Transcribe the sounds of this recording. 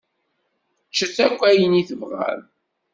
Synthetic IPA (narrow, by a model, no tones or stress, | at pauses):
t͡ʃːəθækʷːæjəniθəvʁa̰l